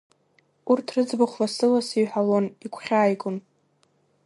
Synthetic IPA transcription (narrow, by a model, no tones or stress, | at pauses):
urtʰrɨd͡zbaχʷlasɨlasiɥħalonikʷʰχʲaːjɡʷʼʊn